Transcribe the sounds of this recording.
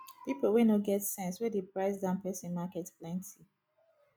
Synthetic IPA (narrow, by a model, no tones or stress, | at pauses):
pipowenoɡɛtsɛ̃nswedepɹaɪsdãnpɛsĩnmakɛtplɛ̃ntʰi